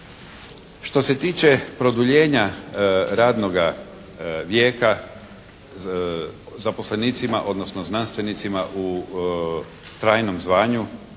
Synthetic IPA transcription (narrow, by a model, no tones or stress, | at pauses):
ʃt̪o̞se̞t̪iːt͡ʃe̞pɾo̞d̪uʎeːɲa | ɾaːd̪no̞ɡa | ʋjeːka | zapo̞sleniːt̪simaʔo̞d̪nosnoznanst̪ʋe̞nit̪simaʔu | t̪ɾaːjno̞mzʋaːɲu